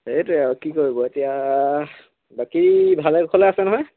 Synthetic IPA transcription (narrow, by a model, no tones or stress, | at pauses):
etuɛɔkikoɹibɔetija | bakibʱalɛɡkʰɔlɛasɛnɔɦɔj